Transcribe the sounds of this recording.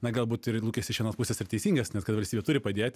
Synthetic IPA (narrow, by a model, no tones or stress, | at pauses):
nɐɡɐlˠbuːt̪ɪrlˠuːkʲesʲɪʃʋʲiɛnoːspusʲeːsɪrt̪ʲɛɪsʲiːŋɡɐsnʲɛt̪kɐt̪ʋɐlʲsʲtʲiːbʲɛtʊɾʲɪpɐd̪ʲeːt̪ʲ